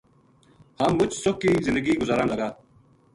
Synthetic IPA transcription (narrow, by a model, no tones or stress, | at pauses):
haːmːʊt͡ʃsʊkːiːzɪnd̪əɡiːɡʊzaːɾãːləɡaː